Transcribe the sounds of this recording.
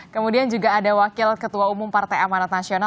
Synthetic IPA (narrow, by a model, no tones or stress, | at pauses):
kəmudiand͡ʒuɡaːdawakɪlkət̪uaumʊmpart̪ajamanat̪̚nasiona